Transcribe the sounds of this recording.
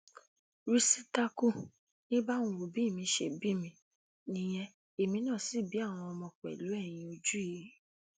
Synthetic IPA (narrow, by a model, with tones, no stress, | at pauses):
ɾi˦si˦ta˦ku˦ | nĩ˦ba˦ũ˧˨wo˨bi˨˦˨mĩ˧ʃe˧˨bi˦˨mĩ˧ | nĩ˧j̃ɛ̃˧ | e˨mĩ˧˦nã˦˨si˨˦˨bi˨˦a˦˨w̃ɔ̃˧ɔ˧mɔ̃˧k͡pɛ̰˨lu˨˦ɛ˦˨j̃ĩ˧o˧d͡ʒu˦ji˨˦